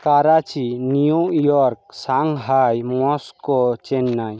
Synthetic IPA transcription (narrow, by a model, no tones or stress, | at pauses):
kaɾat͡ʃinijuʔjɔɾk̚saŋɡɦajmɔskɔt͡ʃɛnːaj